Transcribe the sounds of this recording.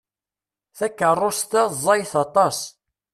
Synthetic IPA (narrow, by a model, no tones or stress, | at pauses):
θækːərˤːost̪æzˤɑjθɑt̪ˤɑs